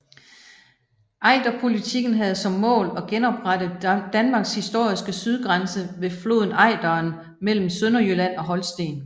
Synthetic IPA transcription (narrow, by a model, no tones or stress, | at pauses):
ʔɑ̈ɪd̥ɐpʰo̝lit͡sʰiɡ̥n̩ɦæð̞̩ˠsɒ̽mːɔ̰̽ːlɒ̽ɡ̥enɒ̽b̥ʁad̥əð̩ˠd̥ænmɑ̈ːɡ̥shisd̥o̝ɐ̰isɡ̥əsyðˠɡ̥ʁansəʋe̝flo̝ðˠn̩ɑ̈ɪd̥ɐːn | mel̰m̩sønɐjølæn̰ɒ̽ɦɒ̽lsd̥e̝̰ːn